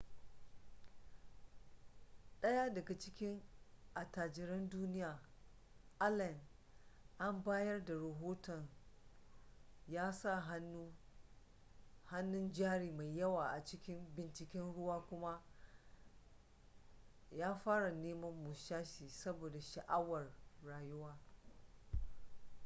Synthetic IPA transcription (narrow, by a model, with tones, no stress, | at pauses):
ɗɐ˦ja˦dɐ˨ɡa˨t͡ʃɪ˦kʲɪ˦ŋʔa˨taː˨d͡ʒɪ˨ɾɐ˦nduː˦nɪ˦jaː˨ | ʔa˦lɐ˨n | ʔa˦mbaː˦jɐ˦rda˨ɽɐ˨ɦoː˦tɔ˨n | jaː˦sa˦˨ɦa˦nːu˦ | ha˦nːʊ˦nd͡ʒaː˦ɽiː˨ma˨jjːɐ˦waː˨ʔa˨t͡ʃɪ˦kʲɪ˦mbɪ˨nt͡ʃɪ˨kʲɛ˦nɽʊ˦waː˦kʷʊ˦ma˦ | jaː˦ɸaː˦ɽa˨neː˦mɐ˦mːu˨ʃaː˦ʃiː˨sɐ˦boː˨da˨ʃa˨ʔa˦wɐ˨rːaː˨jʊ˦waː˦